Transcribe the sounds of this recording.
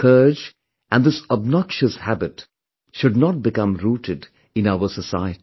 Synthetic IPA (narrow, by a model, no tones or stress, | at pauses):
kʰɜːd͡ʒ | ʔæ̃nd̪ɪsɔbnɔkʃəshæbɪt | ʃʊdnɔʈ̚bɪkʌ̃mɾuːʈʰɨd | ɪ̃naʊəsəsa̰ɪəti̥